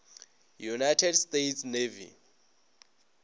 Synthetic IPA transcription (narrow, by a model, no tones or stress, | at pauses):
junajtʰɛdstetʰsnevḭ